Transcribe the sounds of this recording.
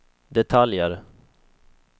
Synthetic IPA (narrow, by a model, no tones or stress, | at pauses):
d̪ɛt̪ʰaljəɾ